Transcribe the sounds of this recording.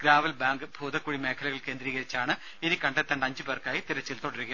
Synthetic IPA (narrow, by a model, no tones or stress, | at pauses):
ɡ̥ɾaːʋɐlbaːŋɡɨbʱoːðɐkːuːɽime̞ːkʰɐlɐɣɐɭke̞ːnd̪ɾiːɣɐɾit͡ɕːaːɳɨ | inikɐɳɖet̪ːɐɳɖɐɲd͡ʑɨbeːrkaːjit̪iɾɐt͡ɕːilt̪oɽɐɾuɣɐ